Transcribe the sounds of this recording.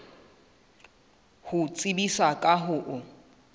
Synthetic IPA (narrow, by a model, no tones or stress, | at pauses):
hʊt͡sʼibisakʼaɦʊʔʊ